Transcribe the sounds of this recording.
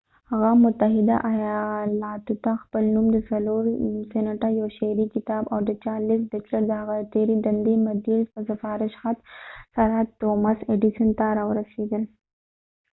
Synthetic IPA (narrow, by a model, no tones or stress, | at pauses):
ɐɣaːmːʊt̪ːɐɦɪd̪a̰ʔɐjalaːt̪ut̪ãxpəlnuːmd̪əsɐloːɾsenəʈajoːʃeːɾikɪt̪aːbɔːɾd̪ət͡ʃaːliːsɖɐt͡ʃlɐɾd̪ɐɦɐɣat̪eːɾid̪ɐnd̪imɐd̪iɾspɐsɐfaːɾɪʃxat̪sɐɾɦɐd̪̚t̪oːmɐseɖiʃənt̪aːɾawɾɐsiːd̪əl